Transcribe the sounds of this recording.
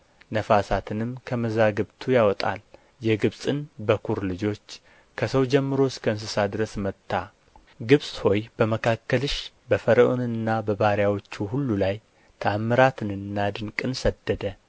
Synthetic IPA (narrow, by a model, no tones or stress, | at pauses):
nəfasat̪ʰɨnɨmkʰəməzaɡɨβt̪ʰujawɔt̪ʼa̰l | jɛɡɨβsʼɨnbəkʰuɾlɨd͡ʒo̞t͡ʃː | kʰəsəwd͡ʒɛmːɨɾo̞skʰəɨns̬ɨsad̪ɾəsmət̪ːa | ɡɨβsʼho̞jb̥əməkʰakːəlɨʃ | bəfəɾəʔonɨnːabəβaɾjawo̞t͡ʃːuhulːulaj | t̪ʰəamːɨɾat̪ʰɨnɨnːad̪ɨŋkʼɨnsəd̪ːəd̪ə